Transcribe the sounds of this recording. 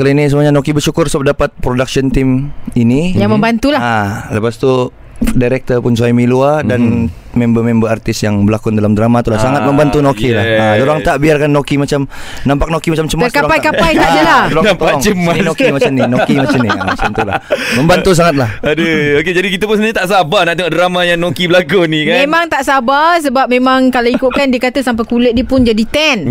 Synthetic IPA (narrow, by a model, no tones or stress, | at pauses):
kalinis̬əmuaɲanokibərʃukʊrsap̚dapat̪̚pɾodak̚siɔnt̪ɪminijaŋməmbant̪ulaaləpast̪u | daɾɛk̚t̪ərpʊnsuajmiluadan | membəmembəart̪ɪsjaŋbəlakʊndalamdɾamat̪ulahsaŋat̪̚məmbant̪unokilahadoɾaŋt̪aʔbiarkanːokimat͡ʃamnãmpak̚nokimat͡ʃamt͡ʃəmt̪arkapajkapaj̪adalalɔt̪aɔŋt͡ʃəmanokimaamninokimaamnimat͡ʃamt̪ulaməmbanus̬aŋat̪̚lahadəoked͡ʒadikit̪apʊnsənaɲat̪aʔsabanaʔt̪eŋɔʔdəɾamajaŋnokibəlakunikamemãŋt̪aʔsabasəbap̚memãŋkaloikuʔ̚kandiəkat̪asampajkulət̪̚dipʊnd͡ʒadit̪ɛn